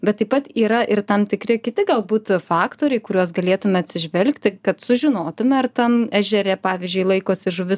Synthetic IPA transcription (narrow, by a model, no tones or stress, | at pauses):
bʲɛt̪ːɐɪpɐt̪iːɾɐʔɪrt̪ɐmt̪ʲɪkɾʲɪkʲɪt̪ʲɪɡɐlˠbuːt̪fɑːkt̪oːɾʲɛɪkʊɾʲuɔsɡɐlʲeːt̪ʊmʲɛɐt̪ʲsʲɪʒʲʋʲɛlʲkt̪ʲɪkɐt̪sʊʒʲɪnoːt̪ʊmʲɛɐrt̪ɐmæːʒʲɛɾʲɛpɑːʋʲizʲd͡ʒʲʊɪlˠɐɪkoːsʲɪʒʊʋʲɪs